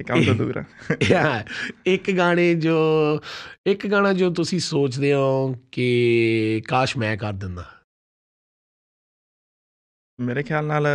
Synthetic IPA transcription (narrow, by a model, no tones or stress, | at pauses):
kad̪aːd̪ṵːɾa̰ːaɪkɡaːɽ̃eːd͡ʒoː | ɪkɡaːɽãːd͡ʒoːt̪̬ʊsĩːsoːt͡ʃd̪eːɦaõːkɪ | kaːʃmɛ̃ːkəɾd̪ɪnd̪aː | meːɾeːkʰjaːlnaːl